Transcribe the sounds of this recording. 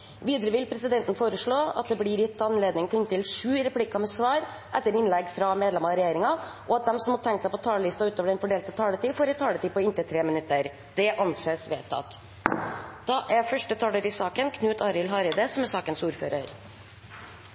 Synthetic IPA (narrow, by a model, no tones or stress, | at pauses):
ʋiːd̪əɾəʋɪlpʰɾɛsɪd̪ɛnt̪n̩foːɾəʂɭoːɑ̰t̪̚d̪ɛblɪːɾɪt̪ːɑnleːd̪nɪŋt̪ʰɪnt̪ɪlʂʉːɾɛpʰlɪkɑmɛsʋɑːɾ | ʔɛt̪ːəɾɪnlɛɡfɾɑmeːd̪lɛmɑɾɛjeːɾɪŋɑʔɔɑt̪̚d̪ɛmsɔmhɑt̪ʰɛŋksæɪpɔt̪ʰɑːləlɪst̪ɑʉːt̪oːʋəɖɛnfɔɖeːlt̪ət̪ʰɑːlət̪iːfoːɾɪt̪ʰɑːlət̪iːpɔɪnt̪ət̪ʰɾeːmɪnʉt̪ːəɾ | d̪ɛʔɑnseːsʋḛːt̪ʰːɑ̰t̪ | d̪̥ɑːʔæfœʂʈət̪ʰɑːləɾɪsɑːkənkʰnʉːt̪ɑːɾɪlɦɑːɾɪd̪əsɔmɛsɑːkənsuːɾfø̰ːɾəɾ